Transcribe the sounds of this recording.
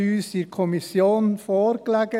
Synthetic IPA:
yːsiɾkʰɔmɪsjoːnfoːɾklɛːɡ̥ə

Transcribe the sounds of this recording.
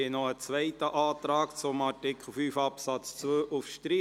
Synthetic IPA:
ɪnɔət͡sʋɛɪtəʔɑːt̪ɾɑːkt͡sʊmɑɹtɪkʰl̩fyːfɑpsɑt͡st͡sʋøːʔufʃtɾiː

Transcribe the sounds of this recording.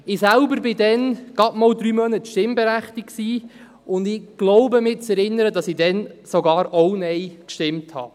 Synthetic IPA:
ɪsælbəɾbɪdɛnɡ̥ɑtmɔldɾyːmœnətʃtɪmbɛɾæχtɪkksiː | ʊndɪɡ̥loʊbəmɪt͡sɛɾɪnːəɾədɑsɪdɛnsoɡɑːɾɔʊnɛjkʃtɪmthɑ̰ː

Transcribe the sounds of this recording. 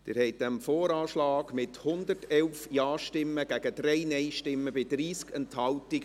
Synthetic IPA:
d̥ɪ̰ːɾhɛɪt̚dɛmfoːɾɑːʃlɑːɡmɪthʊnd̪ərtɛlfjɑːʃtɪmːəɡæɡ̥ədɾɛɪnɛɪʃtɪmːəbɪdɾiːskɛnthɑltiɡ

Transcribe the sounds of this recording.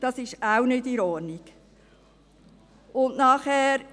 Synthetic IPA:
d̥ɑsɪʃawnɪdiɾɔnik | ʊndnɑːχhɛːɾ

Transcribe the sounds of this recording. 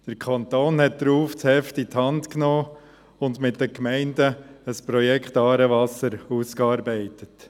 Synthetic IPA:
d̥əɾkʰɑnt̪oːnhɛt̚d̥ɾuːft͡shɛftithɑntknoː | ʊndmɪt̚dəkmɛɪndəəspɾɔjɛkχtɑːɾəvɑsəɾuːskɑːɾbɛɪtət

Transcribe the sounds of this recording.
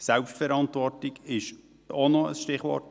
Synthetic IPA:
sɛlpʃtfɛɾɑnt̪ʋɔrtiɡɪʃ | onoə̰sʃtɪχʋɔ̰rt

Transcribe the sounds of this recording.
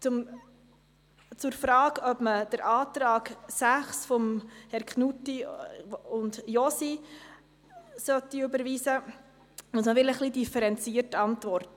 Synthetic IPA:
t͡sʊm | t͡sʊɾfɾɑːɡœbməd̥əɾʔɑːt̪ɾɑːksæχsfɔmhɛɾkχnutːi | ʊndjɔsi | sœtːiøbəɾʋiːsə | musməʋɪləχlidifəɾɛnt͡siːəɾtɑntvɔrt

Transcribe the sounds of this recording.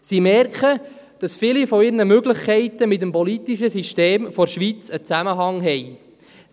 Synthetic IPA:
simɛrkχə | d̥ɑsfɪlifɔɪɾrnəmøɡləχkʰɛɪt̪əmɪtəmpɔlitiʃəsiʃteːmfɔɾʃʋit͡sət͡sæməɦɑŋɦɛj

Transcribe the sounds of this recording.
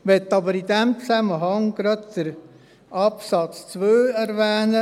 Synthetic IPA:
ʋɛtːɑbəɾidɛmt͡sæməɦɑŋɡ̥ɾɑd̪d̪̥əɾ | ʔɑpsɑt͡st͡sʋøːɛɾʋɛːnə

